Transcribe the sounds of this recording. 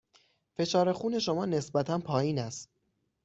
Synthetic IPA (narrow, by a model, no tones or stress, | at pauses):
fe̞ʃɒːɾe̞xuːne̞ʃo̞mɒːne̞sbæt̪ʰænpʰɒːjiːnæst̪̚